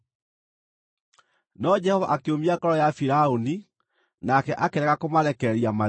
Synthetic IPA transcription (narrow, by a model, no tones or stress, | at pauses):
nɔd͡ʑɛhɔva̰ʔakeomiakɔɾɔjafiɾaoni | nakɛʔakeɾɛɣakomaɾɛkɛɾiama